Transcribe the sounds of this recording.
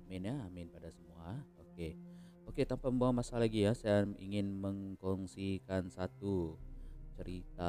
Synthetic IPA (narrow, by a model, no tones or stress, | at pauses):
mɪnjaːmɪnpadasəmuaoke | oket̪ampamboamasalaɡijasajaḭŋɪnməŋkɔŋsikansat̪u | t͡ʃəɾit̪a